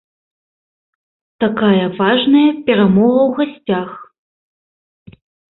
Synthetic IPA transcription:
t̪akajɐvaʐnɐjɐpʲɛɾamɔɣɐwɣasʲt͡sʲax

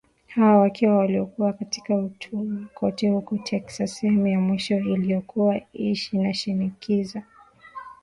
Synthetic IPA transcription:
hawawakiwawaliɔkuwakati̥kaut͡ʃumukʰɔtɛhukɔtʰɛksasɛhɛmujamwiʃɔilijɔkuwaiʃinaʃinikiza

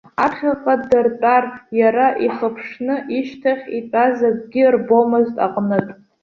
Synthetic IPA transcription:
aχʲaqʼadɨrtʼarjaɾaʔiχəpʰʂnɨʔiʃtʰaχʲitʼazaɡ̚ʷʼɡʲirbo̞mɨztʼa̰qʼnɨtʼ

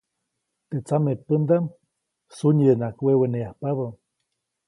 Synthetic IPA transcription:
t̪et͡samepənd̪am | suɲənakweweneahpaβə

